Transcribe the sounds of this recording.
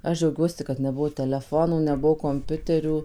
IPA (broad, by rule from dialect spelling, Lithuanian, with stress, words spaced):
ˈɐʃ ˈd͡ʒʲɛʊɡʲuɔsʲɪ kɐt nʲɛˈbʊʋoː tʲɛlʲɛˈfoːnuː nʲɛˈbʊʋoː koːmʲˈpʲʊtʲɛrʲuː